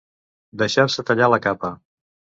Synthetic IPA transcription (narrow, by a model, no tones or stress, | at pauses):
d̪əʃaɾsət̪əʎaləkapə